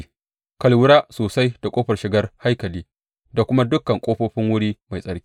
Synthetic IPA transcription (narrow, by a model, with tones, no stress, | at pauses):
kɐ˨lwʊ˦ɽaː˦soː˨sa˦jd̥a˨kʷʼoː˦ɸɐ˨rʃɪ˨ɡɐ˦rha˦jkɐ˨liː˦ | da˨kʷʊ˦ma˦dʊ˦kːɐ˨ŋkʷʼoː˦ɸoː˦ɸɪ˦ŋwʊ˦ɽiː˦ma˨jsʼɐ˨ɾkʲi̥ː˦